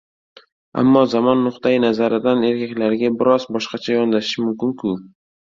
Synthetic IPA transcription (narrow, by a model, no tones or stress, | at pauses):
a̰mːɒzamɒnːʊqt̪ʰajɪnazaɾɪd̪ane̞ɾkʲakʲlaɾɡʲabɪɾɒzbɒʃqɑt͡ʃʰajɒnlaɪʃmʊmkʲɪŋkʰʊ